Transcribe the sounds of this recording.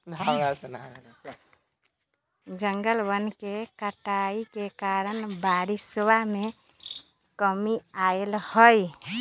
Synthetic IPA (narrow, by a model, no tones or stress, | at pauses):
aasn | d͡ʒəŋɡəlbənkekəʈaikekaɾənbaɾiswame | kəmiaelhəj